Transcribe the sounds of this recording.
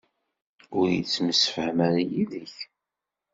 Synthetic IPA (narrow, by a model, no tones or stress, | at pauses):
ʊɾjit͡sːməsəfəhmæɾjiðəç